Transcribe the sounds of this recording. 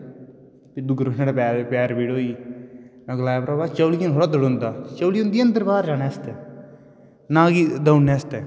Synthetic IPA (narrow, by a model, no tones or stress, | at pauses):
pid̪ʊɡɾoneːɽapɛːpɛːɾbiːɽoːiːmɛ̃ːɡlaːjapɾaːbaːt͡ʃəːliːnɦoːɽaːd̪əɽõːnd̪aːt͡ʃəːliːʊnd̪iːə̃nd̪əɾbaːɾd͡ʒaːnɛːst̪ɛː | nãːɡid̪əʊnːɛːst̪ɛː